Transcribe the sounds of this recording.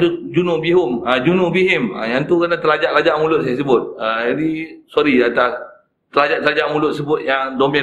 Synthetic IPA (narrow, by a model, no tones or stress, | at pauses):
t̪ud͡ʒunʊʔbiɦʊmad͡ʒunubiɦɛma̰jaŋt̪ukənãt̪əlad͡ʒaʔlad͡ʒaʔmulʊt̪̚s̬ajasəbʊt̪̚ad͡ʒadisoɾidat̪as | t̪əlad͡ʒaʔt̪əlad͡ʒaʔmulʊt̪̚səbʊt̪̚jaŋdomɛ